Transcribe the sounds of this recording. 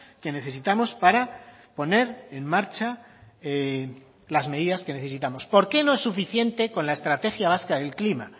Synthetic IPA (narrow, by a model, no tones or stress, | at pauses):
ke̞ne̞θe̞sit̪amo̞spaɾa | po̞ne̞ɾe̞nːaɾt͡ʃa | e | lazme̞ðiðaske̞ne̞θesit̪amo̞spo̞ɾke̞no̞e̞sːufiθje̞nt̪e̞ko̞nlae̞st̪ɾat̪e̞xjaβ̞askaðe̞lklima